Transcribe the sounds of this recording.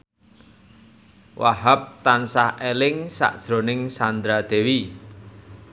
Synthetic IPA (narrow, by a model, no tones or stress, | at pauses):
wʔaɦap̚t̪ansahelɪŋsa̰ʔd̥ʒ̥ɾo̤nɪŋsand̪ɾad̪̥e̤wi